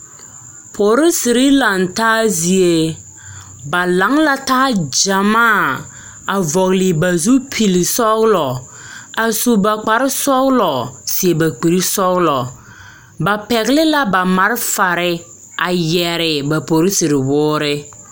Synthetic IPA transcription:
pʰo˨ɾɪ˦si˨ɾɪ˦la˨n˨taː˦zi˨e˨ | ba˨la˨˦ŋla˦taː˦d͡ʒa˨maː˦˨ | a˨vɔ˨ɣlɪ˨ba˨zu˦pʰi˨li˨sɔ˦ɣlɔ˨ | a˨su˨ba˨k͡pa˨ɾɪ˦sɔ˦ɣlɔ˨si˨e˨ba˨k͡pi˨ɾi˦sɔ˦ɣlɔ˨ | ba˨pɛ˨ɣlɪ˦la˦ba˨ma˨ɾɪ˦fa˨ɾɪ˦ | a˨jɛ˨ɾɪ˨ba˨po˨ɾi˦si˨ɾɪ˨wʊː˦ɾɪ˦

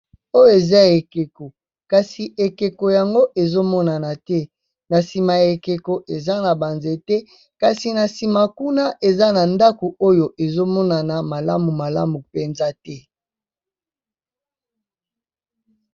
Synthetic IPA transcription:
o˦jo˦e˨za˦e˨ke˨ko˨ | ka˨si˨ʔe˨ke˨ko˨ja˨ŋɡo˦ʔe˨zo˦mɔ˦na˨na˨tɛ˦ | na˨si˨ma˨e˨ke˨ko˨ʔe˨za˦na˨ba˨nze˦tɛ˦ | ka˨si˨na˨si˨ma˨ku˦na˦ʔe˨za˦na˨nda˦ko˨o˦jo˨ʔe˨zo˦mɔ˦na˨na˨ma˨la˦mu˨ma˨la̰˦mu˨pe˨nza˦tɛ˦

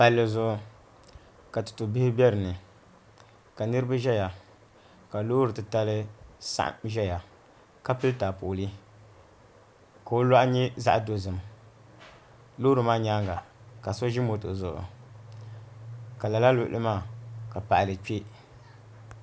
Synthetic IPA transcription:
pa˨lːɨ˨zʊ˨ʔʊ˨ | ka˨tɨ̥˨tu˨bɪ˦hɪ˦bʲɛ˦ɾɨ˨nɨ˨ | ka˨nɨ˦ɾɨ˦ba˦ʒɛ˦ja˨ | ka˨loː˦ɾɨ˨tɨ˨ta˦lɨ˦sa̰˦ʔʒɛ˦ja˨ | ka˦pɨ˦ltaː˨po˨li˦ | ka˨o˦la˦ʔɲɛ˦za̰˦ʔdo˦zɨ˨m | lo˦ɾɨ˨maː˦ɲa˦ŋɡa˨ka˨so˦ʒi˦mo˨to̰˨zʊ˨ʔʊ̰˨ | ka˨la˨la˦lʊ˨ʔlʔɨ˦maː˦˨ka˨pa˨ʔlɨ˨k͡pe˦

